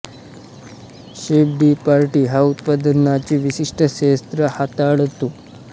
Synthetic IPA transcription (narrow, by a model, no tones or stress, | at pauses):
ɕebɖipaɾʈiːɦaut̪̚pəd̪ənat͡ɕiːʋiɕiʂʈəɕest̪ɾəhat̪aɽt̪o